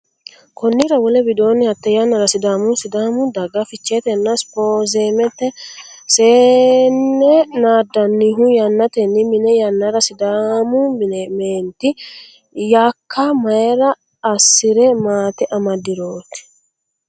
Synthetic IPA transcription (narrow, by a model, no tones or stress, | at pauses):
kɔnːɪɾɐwɔlɛbɪd̪o̞ːnːɪhɐt̪ːɛjɐnːɐɾɐsɪd̪aːmʊsɪd̪aːmʊd̪ɐɡɐfɪt͡ʃːeːt̪ɛnːɐspoːzeːmɛt̪ːɛseːnːɛnaːd̪ːɐnːiɦʊjɐnːɐt̪ɛnːɪmɪnɛjɐnːɐɾɐsɪd̪amumɪnɛmeːnt̪ɪ | jaːkʰːɐmɐjɛɾɐː | sːɪɾɛmaːt̪ɛʔɐmɐd̪ːɪɾo̞ːt̪ɪ̥